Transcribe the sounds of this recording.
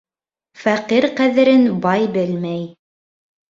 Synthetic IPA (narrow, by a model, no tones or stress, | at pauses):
fæqiɾqæðɘ̆ɾɘnbɑjbɘlmæj